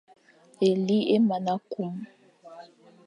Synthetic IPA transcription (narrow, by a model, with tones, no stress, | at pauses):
e˨li˦e˦ma˨na˦ku˦mu˨